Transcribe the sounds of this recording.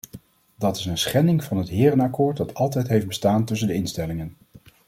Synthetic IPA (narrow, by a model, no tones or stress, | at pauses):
dɑtɪ̥sənsχɛndɪŋv̥ɑnɦətɦɪːrənɑkʊːɹt̚dɑtɑlˠt̬ɛjtɦejfd̚bəstaːntɵs̬əndəɪnstɛlɪŋən